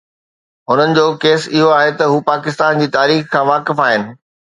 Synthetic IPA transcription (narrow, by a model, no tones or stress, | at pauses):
ɦʊn̤ənɪ̆d͡ʑoːkeːsɪɦoaːɦet̪ɐɦuːpaːkɪst̪aːnd͡ʑiːt̪aːɾiːxkʰãːʋaːkɪfaːɦɪnɪ̆